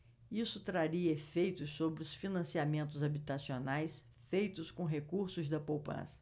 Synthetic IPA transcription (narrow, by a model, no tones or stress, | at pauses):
isʊt̪ɾaɾiɐefejt̪ʊssobɾɪʊsfinɐ̃siamẽnt̪ʊzabit̪asionajs | fejt̪ʊskõɦekuɾsʊzd̪ɐpowpɐ̰̃sɐ̥